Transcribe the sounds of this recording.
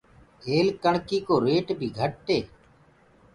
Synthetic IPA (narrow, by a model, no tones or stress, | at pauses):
eːlkəɳkiːkoːɾeːʈbʱiːɡʱəʈːeː